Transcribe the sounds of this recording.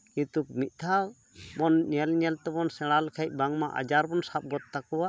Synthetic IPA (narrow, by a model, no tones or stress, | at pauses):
kit̪uk̚mit̪̚ˀt̪ʰa | bɔnɲɛlɲɛlt̪ɔbɔnsɛɽalkʰac̚ˀbaŋmaʔa̰d͡ʒaɾbɔnsap̚ɡɔt̪̚ːakɔwa